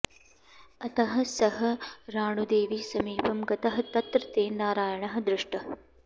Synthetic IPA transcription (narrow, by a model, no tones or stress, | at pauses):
ɐt̪ɐɦɐ̆sɐɦɐɾaːɳud̪eːʋisɐmiːpɐmɡɐt̪ɐɦɐt̪ɐt̪ɾɐt̪eːnaːɾaːjɐɳɐɦɐ̆d̪ɾɪʂʈɐ